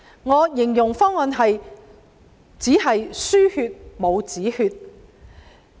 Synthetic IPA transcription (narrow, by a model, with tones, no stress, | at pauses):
ŋɔː˨˧jɪ˨˩ŋjʊ˨˩ŋfɔː˥ŋɔː˨˧nɦɐ˨j | t͡siː˨˥ɦɐ˨jsyː˥hyː˧t̚mo˨˧wt͡siː˨˥hyː˧t̚